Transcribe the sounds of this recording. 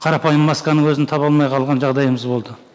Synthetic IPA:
qʰɑɾɑpɑjəmːɑskɑnəŋwɵzɪnt̪ʰɑpɑlˠmɑjqʰɑlˠʁɑnʒɑʁd̪ɑjəməzbo̞lˠd̪ə

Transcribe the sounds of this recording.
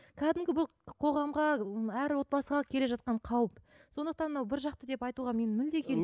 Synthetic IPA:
kʲʰæd̪ɪmɡʲɪbʊlˠqʰo̞ʁɑmʁɑæɾwo̞t̪̚bɑsəʁɑkʲʰe̞le̞ʒɑt̪̚qɑɴqʰɑwəp | so̞nd̪əqt̪ɑnmənɑwbɪɾʒɑqt̪əd̪e̞pɑjt̪uʁɑme̞nɪmɪnd̪e̞kʲʰe̞l

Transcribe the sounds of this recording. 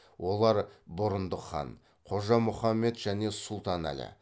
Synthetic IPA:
wo̞lˠɑɾbʊɾənd̪əχɑ̰n | qʰo̞ʒɑmʊχɑmːe̞t̪ʒæne̞sʊlˠt̪ɑnæ̰lɪ̰

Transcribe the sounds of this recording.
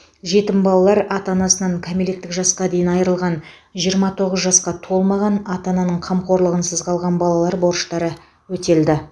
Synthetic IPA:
ʒe̞t̪ɪmbɑlˠɑlˠɑɾɑt̪ɑnɑsənɑɴkʲʰamele̞t̪ːɪkʒɑsqɑd̪e̞jɪnɑjɾəlˠʁɑn | ʒijəɾmɑt̪ʰo̞ʁəzʒɑsqɑt̪ʰo̞lˠmɑʁɑnɑt̪ɑnɑnəɴqʰɑmqo̞ɾlˠəʁənsəzqɑlˠʁɑnbɑlˠɑlˠɑɾbo̞ɾʃt̪ɑɾə | wɵt̪e̞ld̪ɪ

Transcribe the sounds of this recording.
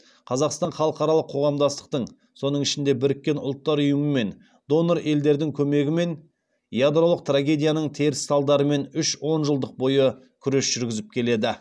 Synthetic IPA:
qʰɑzɑqst̪ɑnχɑlˠəqɑɾɑlˠəqʰːo̞ʁɑmd̪ɑst̪ə̥q̚t̪əɴ | so̞n̪əɴɪʃɪnd̪e̞bɪɾɪkʲːe̞nʊlˠt̪ːɑɾʊjəməme̞n | d̪o̞noɾe̞ld̪e̞ɾd̪ɪŋkʲʰɵme̞ɡʲɪme̞n | jad̪rolˠəq̚t̪raɡʲe̞d̪ʲijanəɴt̪ʰe̞ɾɪsːɑlˠd̪ɑɾəme̞nʏʃwo̞nʒəlˠd̪əq̚bo̞jə | kʲʰʏɾe̞sʒ̥ʏɾɡʲɪzɪp̚kʲʰe̞le̞d̪ɪ

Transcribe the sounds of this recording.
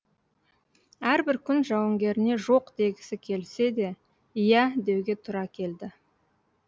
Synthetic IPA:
æɾbɪɾkʲʰʏnʒɑwəŋɡʲe̞ɾɪne̞ʒo̞qd̪e̞ɡʲɪsɪkʲʰe̞lse̞d̪e̞ | ijæd̪e̞wɡʲe̞t̪ʰʊɾɑkʲʰe̞ld̪ɪ

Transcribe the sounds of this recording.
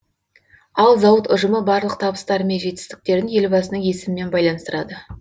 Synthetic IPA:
ɑlˠzɑwət̪ʊʒəməbɑɾlˠəq̚t̪ʰɑbəst̪ɑɾəme̞nʒe̞t̪ɪst̪ɪk̚t̪e̞ɾd̪ɪnje̞lbɑsənəŋje̞sɪmɪme̞nbɑjlˠɑnəst̪əɾɑd̪ə

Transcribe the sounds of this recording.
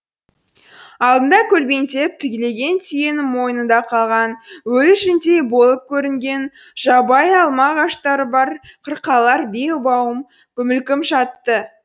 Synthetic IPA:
ɑlˠd̪ənd̪ɑkʲʰɵlbe̞nt̪e̞p̚t̪ʰʏkʲele̞ɡʲe̞nt̪ʰijenɪmo̞jənənd̪ɑqʰɑlˠʁɑnwɵlʃɪnt̪e̞jbo̞lˠəp̚kʲʰɵɾɪŋɡʲe̞n | ʒ̥ɑbɑjɑlˠmɑʁɑʃt̪ɑɾəbɑɾqʰəɾqʰɑlˠɑɾbe̞ʊbɑwəm | kʲʰʏmɪlkʲɪmʃɑt̪ːə

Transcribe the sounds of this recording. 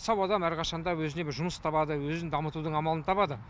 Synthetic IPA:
sɑwɑd̪ɑmæɾqʰɑʃɑnd̪ɑwɵzɪne̞bɪɾʒʊməst̪ʰɑpɑd̪əwɵzɪnd̪ɑmət̪ud̪əɴɑmɑlˠənət̪ʰɑpɑd̪ə

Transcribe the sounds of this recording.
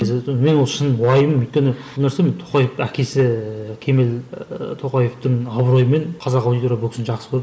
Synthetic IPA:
zme̞nwo̞lˠʃɪnwɑjəməmʏjt̪̚kʲenɪ | lˠnæɾsement̪ʰoqɑjefækʲʰe̞sɪkʲʰe̞me̞lt̪ʰo̞qɑje̞ft̪ɪŋɑbɾo̞jəme̞nqʰɑzɑqɑawd̪ijt̪uɾbʊlkʰʲɪsnʒɑqsəbolˠ

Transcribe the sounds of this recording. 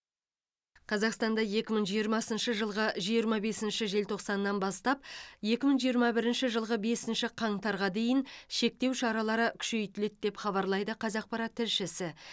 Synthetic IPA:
qʰɑzɑqst̪ɑnd̪ɑje̞kʲɪməɴʒijəɾmɑsənʃəʒəlˠʁəʒijəɾmɑbe̞sɪnʃɪʒe̞lt̪ʰo̞qsɑnːɑnbɑst̪ɑp̚je̞kʲɪməɴʒijəɾmɑbɪɾɪnʃɪʒəlˠʁəbe̞sɪnʃɪqʰɑɴt̪ɑɾʁɑd̪e̞jɪnʃe̞k̚t̪e̞wʃɑɾɑlˠɑɾəkʲʰʏ̥ʃe̞jt̪ɪle̞t̪̚d̪e̞pχɑβɑɾlˠɑjd̪əqʰɑzɑq̚pɑɾɑt̪ʰːɪɾʃɪsɪ

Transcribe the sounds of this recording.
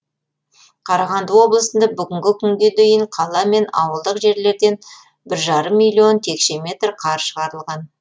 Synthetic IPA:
qʰɑɾɑʁɑnd̪əwo̞blˠəsənd̪ɑbʏɡʲɪŋɡʲɪkʲʰʏŋɡʲe̞d̪ejɪɴqʰɑlˠɑme̞nɑ̰wəlˠd̪əqʒe̞ɾle̞ɾd̪e̞n | bɪɾʒɑɾəmːijlʲːio̞nt̪ʰe̞kʃe̞me̞t̪rqʰɑɾʃəʁɑɾəlˠʁɑn

